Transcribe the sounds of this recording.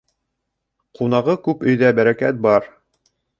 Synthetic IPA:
qun̪ɑʁɤkʉpɵ̆jðæbæɾækæt̪̚bɑɾ

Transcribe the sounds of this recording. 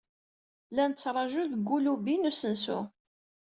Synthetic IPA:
lænt͡sːɾˤɑʒuðəɡːulubinusənsṵ

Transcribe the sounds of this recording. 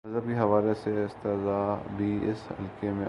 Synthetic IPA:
ɐzɦəb̚keɦɐʋaːleseɪst̪ezaːbʱiɪsɦɐ̰lkemẽ

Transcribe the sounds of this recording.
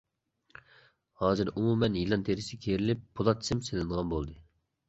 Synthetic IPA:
hɑːzɨɾumumɛnjilˠɑnt̪ʰeɾɪsɪkʲʰeɾɪlɪpːʰulˠɑt̪ʰsɪmselɪnʁɑnbolˠd̪ɨ

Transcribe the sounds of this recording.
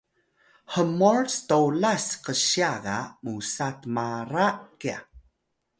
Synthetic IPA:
həmorstolasqəɕjaɣa̰musatmaɾakia

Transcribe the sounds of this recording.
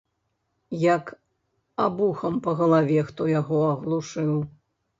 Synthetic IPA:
jɐk | abuxɐmpɐɣɐlˠavʲɛxt̪ɔjaɣɔɐɣlˠuʂɨw

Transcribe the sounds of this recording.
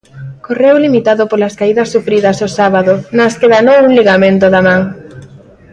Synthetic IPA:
korewlimit̪aðopolɐskaiðɐsːufɾiðɐsosaβaðonɐskeðanowuŋliɣamẽnt̪oðamaŋ

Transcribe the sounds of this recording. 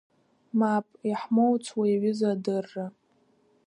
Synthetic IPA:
mapʼiħmowt͡sʰʼwaiɥʏzadɨrːa

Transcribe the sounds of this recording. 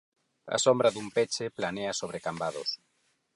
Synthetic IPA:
ɐ̰sombɾɐðumpet͡ʃeplaneasoβɾekambaðo̰s

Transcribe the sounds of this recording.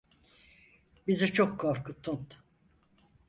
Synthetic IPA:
bizit͡ʃʰokʰːoɾkʰɯt̪ʰːunt̪

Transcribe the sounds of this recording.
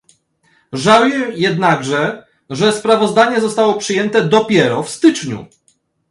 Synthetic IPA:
ʐawjɛjɛd̪naɡʐɛ | ʐɛspɾavɔzd̪aɲɛzɔst̪awɔpʂɘjɛnt̪ɛd̪ɔpʲjɛɾɔfst̪ɘt͡ʂɲṵ

